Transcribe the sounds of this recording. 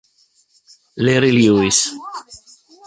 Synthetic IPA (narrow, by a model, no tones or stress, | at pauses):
leɾiljuis